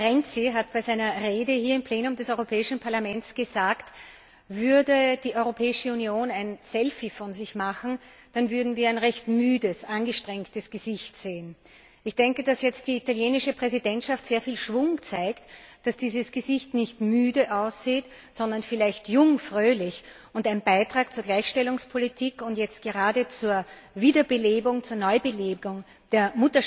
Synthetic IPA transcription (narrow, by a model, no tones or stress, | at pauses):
ʁɛnt͡siɦatb̥æɪzæɪnɐʁeːdəhiːɐɪmpʰleːnʊmdɛsɔʏʁopʰɛːɪʃn̩pʰaɐlamɛntsɡ̥əzaːkt | vʏɐdəd̥iːʔɔʏʁopʰɛːɪʃəunjoːnæɪnsɛlfifɔnzɪçmaxn̩ | d̥anvʏɐdn̩viːɐæɪnʁɛçtmyːdəsʔanɡəʃtʁ̥ɛŋktəsɡ̥əzɪçtz̥eːən | ʔɪçd̥ɛŋkəd̥asjɛt͡st̚d̥iːitaljeːnɪʃəpʁ̥ɛzidɛntʃaftz̥eːɐfiːlʃv̥ʊŋt͡saɪktd̥asd̥iːzəsɡ̥əzɪçtnɪçtmyːdəʔaʊsz̥iːt | z̥ɔ̃ndɐnfɪlæɪçtjʊŋfʁøːlɪç | ʊntæɪnnbaɪtʁ̥aːkt͡suːɐɡlæɪçʃtɛlʊŋspʰolitʰiːkʊntjɛt͡st̚ɡ̥əʁaːdət͡suːɐ | viːdɐbəleːbʊŋt͡suːɐnɔʏbəleːʊŋ | d̥eːɐmʊtɐ